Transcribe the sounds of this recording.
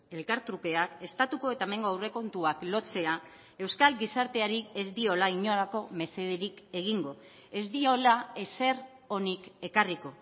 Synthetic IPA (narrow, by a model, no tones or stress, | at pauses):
e̞lkaɾt̪ɾuke̞ake̞st̪at̪uko̞e̞t̪ame̞ŋɡoawre̞ko̞nt̪uaklo̞t͡se̞a | e̞wskalɡisaɾt̪e̞aɾie̞zd̪io̞laiɲo̞ɾako̞me̞se̞ð̞eɾike̞ɣ̞iŋɡo̞ | e̞zd̪io̞lae̞se̞r | o̞nike̞kariko̞